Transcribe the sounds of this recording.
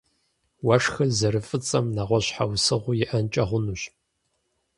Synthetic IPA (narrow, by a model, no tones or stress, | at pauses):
wɐʂxɐzɐɾɨfʼɨt͡sʼɐmnɐʁʷɔɕħawsɨʁʷʊjɪʔɐnt͡ʃʼɐʁʷʊnuɕ